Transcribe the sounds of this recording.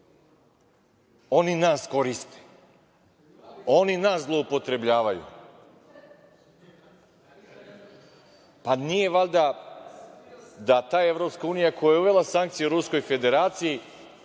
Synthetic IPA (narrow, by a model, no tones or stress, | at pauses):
o̞ninaːsko̞ɾist̪e̥ | o̞ninaːszlˠo̞upo̞t̪ɾe̞bʎaːʋajṵ | panije̞ʋalʲd̪a | d̪at̪aːje̞vɾo̞pskauːnijako̞jajeuʋe̞lˠasaŋk̚t̪sijuɾusko̞jfe̞d̪e̞ɾaːt̪siji